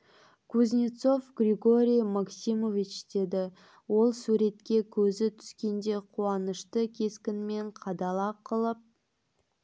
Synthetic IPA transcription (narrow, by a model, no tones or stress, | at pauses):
kʰuznʲit̪so̞fɡrʲeɡo̞ɾʲijmaksimo̞vit͡ʃd̪e̞d̪ɪ | wo̞lˠsuɾe̞t̪kʲe̞kʲʰɵzɪt̪ʰʏ̥skʲe̞nd̪e̞qʰuɑnəʃt̪əkʲʰe̞skʲɪnme̞ɴqʰɑd̪ɑlˠɑqʰəlˠəp̚